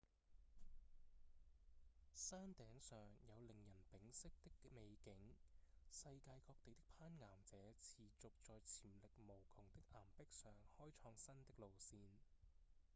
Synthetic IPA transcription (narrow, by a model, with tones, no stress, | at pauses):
saː˥nt̪ɛː˨˥ŋsœː˨ŋjɐ˨˧wlɪ˨˩ŋjɐ˨˩npɪ˨˥ŋsɪ˥k̚t̪ɪ˥kme˨˧jkɪ˨˥ŋsɐ˧jkaː˧jkɔː˧k̚t̪e˨jt̪ɪ˥k̚pʰaː˥nŋaː˨˩mt͡sɛː˨˥t͡sʰiː˨˧t͡sʊ˨k̚t͡sɔː˧jt͡sʰiː˨˩mlɪ˨k̚mo˨˩wkʰʊ˨˩ŋt̪ɪ˥k̚ʔaː˨˩mpɪ˥k̚sœː˨˩ŋhɔː˥jt͡ʃʰɔː˧ŋsɐ˥nt̪ɪ˥k̚lo˨wsiː˧n